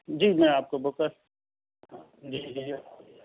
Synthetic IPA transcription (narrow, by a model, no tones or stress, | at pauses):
d͡ʒiːmɛ̃aːp̚kobokəɾ | ɦãː | d͡ʒiːd͡ʒiː